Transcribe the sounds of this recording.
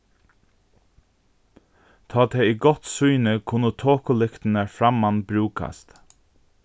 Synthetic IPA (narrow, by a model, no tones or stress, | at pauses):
t̪ʰɑːt̪ʰɛiːɡɔt̪sujnəkʰʊnət̪ʰoːkʊlɪkt̪n̩æfɾamanbɾʉːkʰa̰st̪